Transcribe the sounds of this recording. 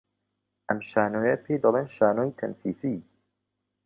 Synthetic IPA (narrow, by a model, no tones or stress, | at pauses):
ʔɐmʃaːnoːjɐpʰejd̪ɐlˠeːnʃaːnoːjt̪ʰɐ̰nfiːsiː